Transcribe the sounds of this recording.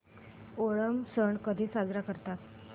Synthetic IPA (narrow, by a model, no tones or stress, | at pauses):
oɭəmsəɳkəd̪ʱiːsad͡zɾakəɾt̪at̪